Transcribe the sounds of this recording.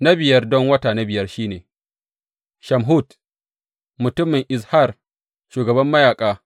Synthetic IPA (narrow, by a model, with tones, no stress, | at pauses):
nɐ˦bɪ˨jɐ˦rdɔ˦ŋwɐ˦taː˨nɐ˦bɪ˨jɐ˦rʃiː˦neː˨ | ʃɐ˨mɦu˦t | mʊ˨tʊ˦mːɪ˨ŋʔɪ˨sha˦˨r | ʃuː˨ɡɐ˨bɐ˦mːɐ˦jaː˨kʼaː˦